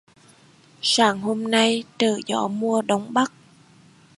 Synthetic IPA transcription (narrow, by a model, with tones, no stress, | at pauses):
saː˧˩ŋho˧mna˧jt̪ɨː˧˩zɔ̰˧˥˦mu˧əɗə˨˦wŋ͡mɓa˦˥k̚